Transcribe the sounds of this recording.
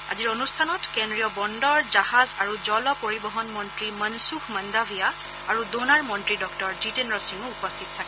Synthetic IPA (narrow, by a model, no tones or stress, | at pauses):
a̰ziɹonustʰanɔtkendɹijɔbɔndɔɹzahazaɹuzɔlɔpoɹibɔɦɔnmɔntɹimənsuxməndabʱija | aɹudonaɹmɔntɹidɔktɔɹzitenɹɔsiŋuupɔstʰitɔtʰakɛ